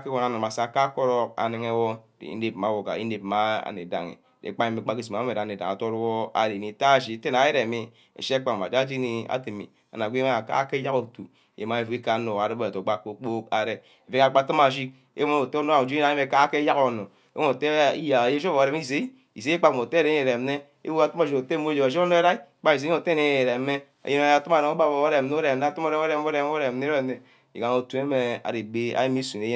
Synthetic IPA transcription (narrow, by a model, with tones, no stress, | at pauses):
ke˦wo˨na˨no˨a˨sa˨ka˦ko˦ɾo˦k̚a̰˨ni˨ŋe˦wo˦dḛ˨ḭ˦e˨p̚ma˨˦wo˨ka̰˨ḭ˦ne˨pma˦a̰˨nḛ˨da̰˨ŋḛ˨dḛ˨˦k͡pa˦ɲe˦me˨˦k͡pa˦ki˦s̬i˨ma˨˦a˦e˨ɾa˨ne˨da˨a˨to˦ɾwo˦a̰˨ɾe˨ni˨ta˦˨ʃi˦˨te˦na˨ji˦ɾe˨me˦ | ḛ˨ʃk͡pa˦˨a̰˨d͡ʒd͡ʒi˦kni˦a̰˦ti˨mḭ˨ | a̰˨na˨ɡʷi˦ma˦a˨ka̰˦ke˦ja˦ko˨tu˨ | jḛ˨ma˦e˨fu˨ki˦ka˦no˨a˨ɾe˦bto˨˦ɡ͡ba˦ko˨˦k͡po˦ka˨˦ɾe˦ | e˨ve˦a˨k͡pa˦˨tɨ˦ma˨ʃ̬i˦k̚ | ḛ˦mo˦˨te˦o˦no˦˨o˨d͡ʒu˦ɾa˨˦e˦e˨˦ka˦ke˦ja˦ko˨no˨ | e˦o˦o˨te˦ḭ˦ja˨je˦ʃo˦o˨ɾe˦mi˦ze˨˦i˦ | ḭ˨ze˨˦i˦k͡pa˨km˨te˦a˦ɾe˦e˨ɾe˨m˦ne˦ | ḛ˦wu˦a˨tu˦ma˨d͡ʒi˨o˨te˦˨mo˦d͡ʒe˨a˨ʃi˦o˦no˦e˦ɾa˦i˦k͡pa˦i˨se˨˦o˨te˦ne˦˨e˨ɾe˨˦me˦ | a̰˨je˦no˦a˨tu˦m˦a˨ɾe˨ŋo˦ba˨bo˨o˦ɾe˨n˦o˦ɾe˨n˦˨˦tu˦mo˦ɾe˦o˦ɾe˨m˦o˦ɾe˨˦m˦o˦ɾe˨ne˦e˦˨ne˨ | ḭ˨ɡa˨no˨tu˨˦e˦me˨a̰˨ɾe˨be˦a̰˦ji˦mi˦su˨e˨˦je˦